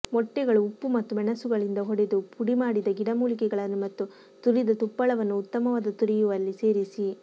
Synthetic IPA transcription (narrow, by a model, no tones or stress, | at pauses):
mɔʈːɛɡɐɭuːpːumɐt̪ːuɛɳɐsuɡɐɭind̪ɐɦɔɽed̪upʰuɽimaːɽid̪ɐɡiɽɐmuːlikɛɡɐɭɐnːumɐt̪ːu | t̪uɾid̪ɐt̪upːɐɭɐʋɐnːuːt̪ːɐmɐʋaːd̪ɐt̪uɾijuʋɐlːise̞ːɾisi